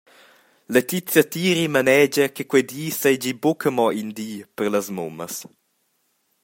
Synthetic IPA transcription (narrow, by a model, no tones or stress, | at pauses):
let̪it͡sjat̪iːɾimanɛd͡ʒəkəkwɛjd̪iːsed͡ʒibokʰəmɔʔind̪iːpərləsmṵməs